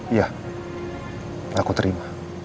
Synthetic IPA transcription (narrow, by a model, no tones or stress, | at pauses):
ja | akut̪əɾima